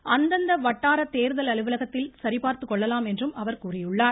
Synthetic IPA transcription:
ɐnd̪ɐnd̪ɐʋɐʈːaːɾɐt̪eːɾɯðɐlɐɭɯʋɪlɐɣɐt̪ːɪlsɐɾɪpaːɾt̪ɯkːɔɭːɐlaːmɛndrɯmɐʋɐɾkuːrɪjɯɭːaːɾ

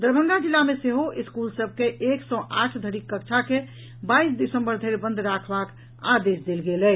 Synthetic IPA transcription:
d̪əɾbʱə̃nd̪ad͡ʒilːameseɦoʔiskulsəb̚ʱkeʔeksɔ̃ʔaʈʰd̪ʱəɾikːəkt͡ʃʰake | baisd̪isə̃mbəɾd̪ʱeɾbə̃nd̪ʱɾakʰbak | a̰d̪esd̪elɡelɛ

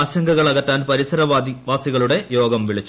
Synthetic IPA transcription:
aːɕɐŋɡɐɣɐɭɐɣɐtːaːnpɐɾisɐɾɐʋaːsiɣɐɭuɽe̞jo̞ːɡɐmʋiɭit͡ɕː

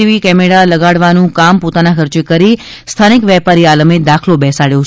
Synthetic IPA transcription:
iʋikɛmeɽaləɡaɽʋanũkampot̪anakəɾt͡ʃekəɾi | st̪ʰanikʋɛpaɾialəmed̪akʰlobɛsaɽjo

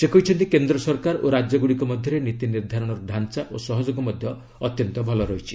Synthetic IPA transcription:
sekɔjt͡ʃʰɔnt̪ikend̪ɾɔsɔɾkaɾoɾad͡ʒjɔɡuɽikɔmɔd̪ʱjɔɾenit̪iniɾd̪ʱaɾɔɽ̃ɔɾɔɖʱant͡ʃaʔosɔɦɔd͡ʒoɡɔmɔd̪ʱjɔ | ɔt̪jɔnt̪ɔbʱɔlɔɾɔit͡ʃʰi̥

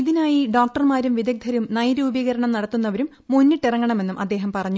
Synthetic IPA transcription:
iðinaːjiɖoːk̚ʈɐrmaːɾumʋiðɐk̚d̪ʱɐɾumnɐjɾuːbiɣɐɾɐɳɐmnɐɽɐt̪ːunːɐʋɐɾumːunːiʈːirɐŋːɐɳɐme̞nːumʔɐ̰d̪ːe̞ːɦɐmpɐrɐɲːu

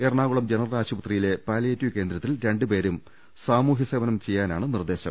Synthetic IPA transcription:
erɳaːɣuɭɐmd͡ʑenɐrɐraːɕubɐt̪rijile̞paːlɐjetːukeːnd̪ɾɐt̪ːilɾe̞ɳɖɨpe̞ːɾum | saːmuːɦjɐseʋɐnɐmt͡ɕe̞jːaːnaːɳɨnird̪e̞ːɕɐm

